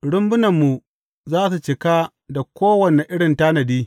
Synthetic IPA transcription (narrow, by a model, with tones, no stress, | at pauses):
ɽʊ˦mbʊ˦nɐ˨mːu˨ | zaː˦su˨t͡ʃɪ˨ka˦ | da˨kʷoː˦wɐ˨ne˨ʔɪ˦ɽɪ˨ntaː˦nɐ˨diː˦